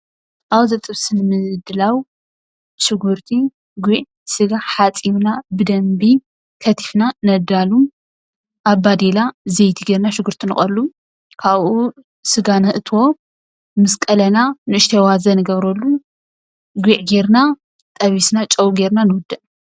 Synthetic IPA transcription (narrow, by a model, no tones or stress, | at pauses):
ʔawzɐt̪ʼɨβsɨnɨmɨzɨd̪ɨlaw | ʃɨɡuɾt̪ʰi | ɡʷiʕ | sɨɡaħat͡sʼimnabɨd̪ɐmbi | kʰɐt̪ʰi̥fnanɐd̪alu | ʔaβbad̪elazejt̪ʰiɡeɾnaʃɨɡuɾt̪ʰinɨxʼɐlːu | kʰaβʔu | sɨɡanhɨʔɨt̪ʰo̞ | mɨskʼɐlɐnanɨɨʃt̪ʰɐwazɐnɨɡɐβɾɐlːu | ɡʷiʕɡeɾna | t̪ʼɐβisnat͡ʃʼɐwuɡeɾnanɨwʊd̪ɨʔ